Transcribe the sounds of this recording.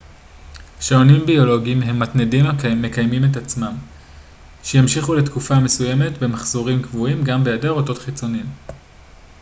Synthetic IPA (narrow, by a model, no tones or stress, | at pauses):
ʃaonimbio̞lo̞ɡiimɦe̞mːatnedimme̞kajmimetat͡smam | ʃejamʃiχule̞tkufame̞suje̞me̞tbe̞maχzoʁimkvuimɡambejadeʁoto̞tχit͡so̞niim